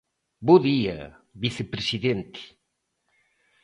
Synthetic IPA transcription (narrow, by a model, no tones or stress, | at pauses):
boðiɐ̰ | βiθepɾesiðent̪i̥